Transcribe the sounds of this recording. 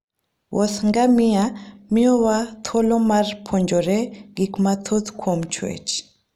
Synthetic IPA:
wʔɔsŋɡamɪamiɔwat̪ʰolomarpʰoɲd͡ʒoɾɛɡikmat̪ʰot̪kʰwomt͡ʃwḛt͡ʃ

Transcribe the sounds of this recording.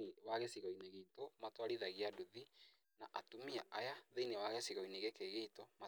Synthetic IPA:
waɣesiɣɔineɣeitɔmatwaɾiðaɣiaduði | naʔatumia̰ʔajaðeinewaɣesiɣɔineɣekeɣeitɔma

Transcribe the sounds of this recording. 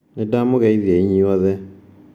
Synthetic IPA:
nedamoɣɛiðiɛiɲiwɔðɛ

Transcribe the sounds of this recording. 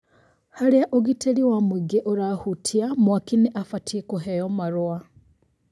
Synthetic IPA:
haleaʔoɡitʰeliwamwiɡeʔoɾahutʰiamwakineʔafatʰikoɦejomaɾwa

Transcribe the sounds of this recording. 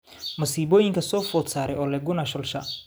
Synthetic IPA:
mɐsiːbɔːjɪŋkʰɐsɔːfɔːt̪saːɾɛjʔɔːlɛɡʊnɐʃɔlʃɐ

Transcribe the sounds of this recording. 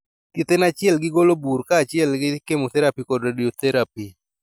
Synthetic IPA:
t̪it̪enat͡ʃɪɛlɡɪɡoloburkaːt͡ʃɪɛlɡɪkemot̪ɛɾapikɔdradiot̪ʰɛɾapi

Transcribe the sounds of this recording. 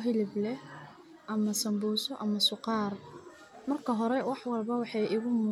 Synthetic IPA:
ɦɪlɪblɛh | ʔɐmɐsɐmbuːsɔʔɐmɐsʊqɑːr | mɐrkʰɐɦɔɾɛwɑħwɑlbɐwɑħɑjɪɣʊmuː

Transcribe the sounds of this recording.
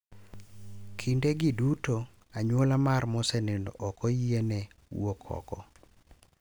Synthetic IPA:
kʰindeɡiduto | aɲwolamarmɔsɛnendɔ̰ʔɔkɔjienɛwokʰɔ̰kɔ

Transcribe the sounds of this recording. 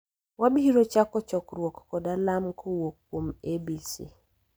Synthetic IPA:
wabiɾot͡ʃakɔt͡ʃɔkɾwɔkːɔdalamkʰowokːwomebisḭ

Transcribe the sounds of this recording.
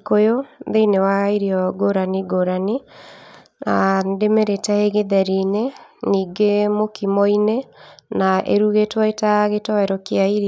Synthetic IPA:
kojoðeinewaiɾiɔɡoɾaniɡoɾani | andemeɾetaeɣeðɛɾineniːɡemokimɔinenaʔḛɾuɣetwaetaɣetɔɛɾɔkjaiɾ

